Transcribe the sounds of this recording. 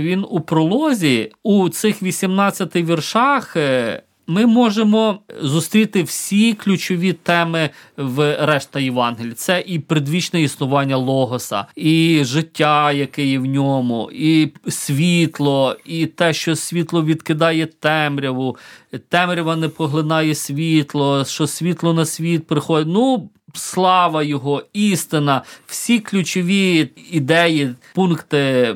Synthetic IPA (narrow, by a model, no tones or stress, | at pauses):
ʋʲinupɾɔlˠɔzʲiut̪sɪxʋʲisʲimnɑt͡sʲt͡sʲːɐt̪ɪʋʲirʃɑx | mɪmɔʒemɔzʊst̪ɾʲit̪ɪwsʲiklʲʊt͡ʃɔʋʲit̪ɛmɪʋɾɛʃt̪ɐjɪʋɑnɦɪlʲit̪sɛʔipɾɪd̪ʋʲit͡ʃnɛisnʊʋɑnʲːɐlˠɔɦɔsɐ̰iʒɪtʲːajɐkɪjɛwnʲɔmʊisʲʋʲit̪lˠɔit̪ɛʃt͡ʃɔsʲʋʲit̪lˠɔʋʲid̪kɪd̪ɑjɛt̪ɛmɾʲɐʋʊt̪ɛmɾʲɐʋɐnɛpɔɦlˠɪnɑjɛsʲʋʲit̪lˠɔʃt͡ʃɔsʲʋʲit̪lˠɔnɐsʲʋʲit̪̚pɾɪxɔd̪ʲɪnu | slˠɑʋɐjɔɦɔist̪ɪnɐw̥sʲiklʲut͡ʃɔʋʲiid̪ɛjipunkt̪ɪ